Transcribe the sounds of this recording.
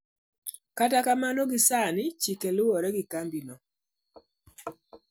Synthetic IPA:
katakamanoɡɪsanɪt͡ʃikelʊwɔɾɛɡɪkambinɔ

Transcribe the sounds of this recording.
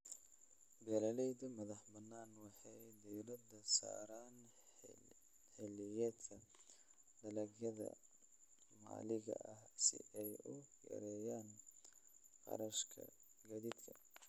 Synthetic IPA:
bɛlɐlɛjd̪ɐmɐðɐħbɐnːaːnwɑħɑjd̪ijɾɐd̪ɐsa̰ːɾaːn | ħɛlɪjɛt̪kʰɐ | d̪ɐlɐɣjɐðɐ̰ | ma̰ːlɪɣɐ̰ʔɐhsɪ̰ʔɛjʊjɐ̰ɾɛːjaːn | qɑ̰ɾɐʃkʰɐ̰ | ɡɐd̪id̪kʰɐ

